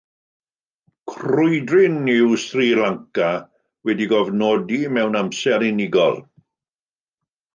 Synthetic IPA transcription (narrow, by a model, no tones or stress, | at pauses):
kʰrʊjdrɪnːɪwstriːlaŋka | wɛdiɡɔvnɔːdimɛwnamsɛɾinɪɡɔ̰lˠ